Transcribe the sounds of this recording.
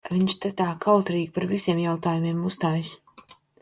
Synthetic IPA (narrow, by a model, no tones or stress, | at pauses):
viɲʃt̪ɛt̪aːkʰawt̪ɾiːɡpaɾvisiɛmjawt̪aːjumiɛmust̪aːjsʲ